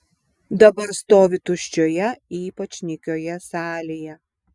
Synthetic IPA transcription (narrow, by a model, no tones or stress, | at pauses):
d̪ɐbɐɾst̪oːʋʲɪt̪ʊʃʲt͡ʃʲoːjɛiːpɐt͡ʃʲnʲɪkʲoːjɛsɑːlʲeːjɛ